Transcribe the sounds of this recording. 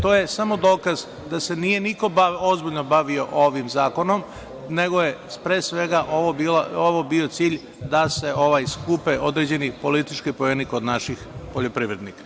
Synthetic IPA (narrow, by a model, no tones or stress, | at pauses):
t̪o̞ːje̞samo̞d̪o̞ːkaz | d̪ase̞nije̞niko̞ozbiʎno̞baʋio̞ʔoʋimzaːko̞no̞m | ne̞ɡo̞je̞spɾesʋe̞ɡaʔoobilaoʋobio̞t̪siːʎ | d̪ase̞o̞ʋajskupeʔo̞d̪ɾed͡ʑe̞nipo̞lit̪it͡ʃkipojenikod̪naʃixpo̞ʎo̞pɾiʋɾe̞d̪nikḁ